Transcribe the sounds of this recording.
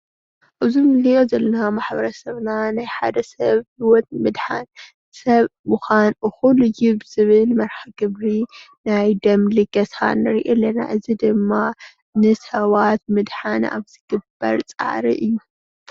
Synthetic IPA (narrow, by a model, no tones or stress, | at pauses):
ʔɨzimɨlijo̞zɐlɐnamaħbɐɾɐsɐβnanajħad̪ɐsɐβhiwɔt̪̚mɨd̪ħan | sɐβmuxanʔɨxulɨjɪbz̥ɨβɨlmɐɾħaɡɨβɾi | najd̪ɐmliɡɐsʰa̰nɨɾiʔelɐna̰ʔɨzid̪ɨmːa | nɨsɐβat̪̚mɨd̪ħana̰βzɨɡ̥ɨbːɐ̰ɾt͡sʼa̰ʕɾḭʔɨjːu